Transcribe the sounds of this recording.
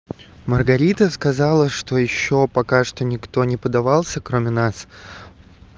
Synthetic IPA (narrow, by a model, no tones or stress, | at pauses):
mərɡɐɾʲit̪əskɐzɑlˠəʂt̪o̞jɪɕːo̞pɐkaʂt̪o̞nʲɪkt̪o̞nʲɪpəd̪ɐvɑlˠsʲəkɾomʲɪnas